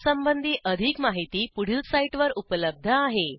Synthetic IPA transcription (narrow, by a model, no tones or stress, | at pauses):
səmbənd̪ʱiːʔəd̪ʱiːkmaɦit̪iːpuɽ̤ilsaiʈʋəɾupələb̚d̪ʱəaɦe